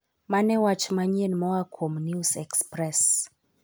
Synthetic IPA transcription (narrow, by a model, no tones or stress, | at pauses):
manɛwat͡ʃmaɲenmɔakʰomnusɛkspɾɛs